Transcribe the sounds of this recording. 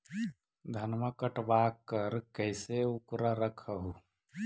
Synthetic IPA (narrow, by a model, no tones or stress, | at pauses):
d̪ʱənməkəʈbaːkːəɾkəɪseʊkɾaɾəkʰəɦu